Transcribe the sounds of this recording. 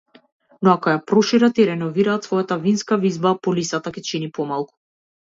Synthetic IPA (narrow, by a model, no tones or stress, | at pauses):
nɔakɔjapɾɔʃiɾat̪iɾɛnɔviɾaːt̪svɔjat̪avinskavizbapɔlisat̪akʲɛt͡ʃinipɔmalˠku̥